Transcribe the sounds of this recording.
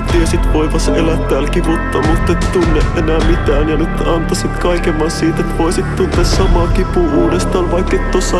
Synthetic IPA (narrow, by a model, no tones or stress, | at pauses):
t̪iesit̪ʋoiʋɑselæt̪t̪æːlkiput̪ːɑmut̪ːet̪t̪unːeʔʔenæːmit̪æːnjɑnyt̪ɑnt̪ɑsit̪kɑikemɑssiːt̪et̪ʋoisit̪t̪unt̪essɑmɑkipuʔuːdest̪ɑːnʋɑikːet̪t̪osːɑ